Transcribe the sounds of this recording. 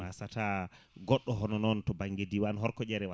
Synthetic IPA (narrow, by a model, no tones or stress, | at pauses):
asataɡɔɗːɔɦɔnɔnɔntɔbaŋɡediwanɦɔɾkɔd͡ʒɛɾɛwa